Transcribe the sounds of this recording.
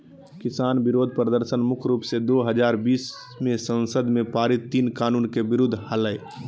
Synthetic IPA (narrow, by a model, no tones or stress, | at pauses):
kɪsaːnbɪɾoːd̪ʱpɾəd̪əɾsənmʊkʰɾuːpsed̪oːɦəd͡ʒaːɾbiːs | mẽsə̃nsəd̪mẽpaːɾɪt̪ːiːnkaːnuːnkebɪɾʊd̪ʱːhɐləe